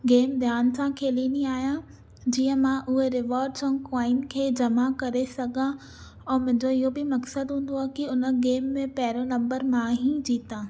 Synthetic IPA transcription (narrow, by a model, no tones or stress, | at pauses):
ɡeːmd̪ʱjaːnsãkʰeːliniaːɦijã | d͡ʑiːə̃mãʔʊɦeɾɪʋaːɾɖsõkaːɪnkʰeːd͡ʑɐmakɐɾesɐɡʱã | ɛ̃ːmʊ̃ɦɪ̃ɲd͡ʑoɪɦobɪmɐksəd̪ɦũːn̆d̪oaːkiʊnə̆ɡeːmːẽpɐɦɪɾonɐ̃mbəɾmãɦĩd͡ʑiːt̪ãː